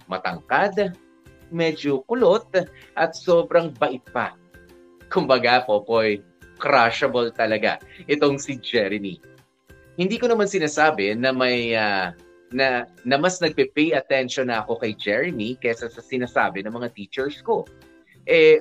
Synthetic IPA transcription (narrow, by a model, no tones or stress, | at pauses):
mɐt̪ɐŋkad̪ | mɛd͡ʒokʊlo̞t̪̚ | ʔɐt̪̚so̞ːbɾɐŋbɐʔɪt̪̚pɐ | kʊmbɐɡapoːpoj | kɾaʃɐbolt̪ɐlɐɡa̰ʔɛt̪o̞ŋsid͡ʒɛɾɪmḭ | hɪnd̪iːkonɐmansɪnaːsaːbɛnɐmɐja | nɐnɐmasnɐɡ̚pɛpɛjʔɐt̪ɛnʃonɐʔɐko̞kɐjd͡ʒɛɹɪmikɛsɐsɐsɪnaːsa̰ːbɛnɐŋmɐŋat̪iːt͡ʃɛɹsko̞ | ʔɛ